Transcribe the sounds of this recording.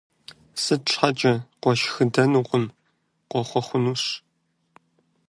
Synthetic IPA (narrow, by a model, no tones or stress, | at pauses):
sɨtɕʷħat͡ʃʼɐqʷɔʃxɨdɐnuqʷʼʊn | qʷɔχʷɔχʷʊnuːɕ